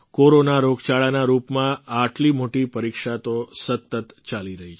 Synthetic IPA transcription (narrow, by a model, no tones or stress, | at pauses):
koɾonaɾoɡt͡ʃaɭanaɾupmãaʈlimoʈipəɾikʃat̪osət̪ːət̪t͡ʃaliɾəɦit͡ʃʰ